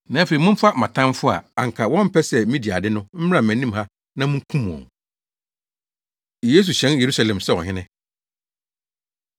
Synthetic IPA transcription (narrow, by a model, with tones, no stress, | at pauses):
nã˨˦fe˨i˨mʊ̃˦m̩˦fa˦˨mã˨tʰã˦mfʊ˦a̰˨a˨ŋ˨kʰa˨wɔ̃˦m̩˦pʰɛ˦sɛ˨˦mĩ˦di˨a˨dɪ˦nʊ̃˦m̩˦m˦ã˦˨m̩˨æ̃˨nĩ˦mha˦ | nã˦mʊ̃˦kʰũ˦m˨ɔ̰̃˨ | jeː˦s̬u˨ɕɛ̃˦nje˨ɾu˦sa˨lɛ̃˨msɛ˦wɔ˨ɦɪ̃˦nɪ̃˦